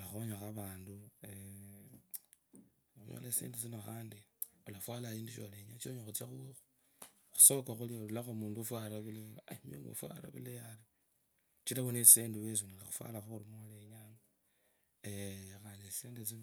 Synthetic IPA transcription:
laxuoɲaxaβaːndue | ujo̰leseːndesinoxaːndiolafwalaiːnduʃoleɲat͡ʃoɲaxut͡sjaxuexu | xu̥soβokaxuliolulaxomuːnduofwalaβileaimjo̰mɡo̰fwa̰la̰βḭlejali | t͡ʃilaβonesseːndewes̬unilaxufwa̰laxuxuɾimoleɲaŋa | exaːnesiseːndesino

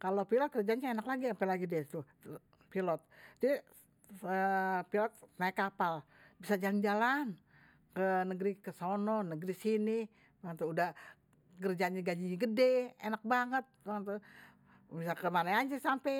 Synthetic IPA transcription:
kalopilɔt̪̚kərd͡ʒaɲaenaklaɡiampelaɡidɛt̪u | pilɔt̪̚d͡ʒai | əpilɔt̪̚naɪkːapal | bisad͡ʒaland͡ʒalan | kənəɡɾikəsonɔnəɡɾisini | baŋət̪uudah | kərd͡ʒaɲaɡad͡ʒiɲaɡədɛḛnak̚baŋət̪̚baŋət̪u | bisakəmanaaɲd͡ʒisampɛ

